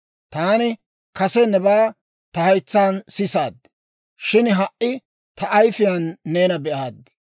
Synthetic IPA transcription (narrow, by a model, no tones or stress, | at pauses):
t̪aːnɪ | kɐsɛnɛbaː | t̪ɐhɐjt͡sːaːnsɪsaːd̪ːɪ̥ | ʃɪnɦɐʔʔɪ | t̪ɐʔɐjfɪjanːeːnɐbɛʔaːd̪ːɪ̥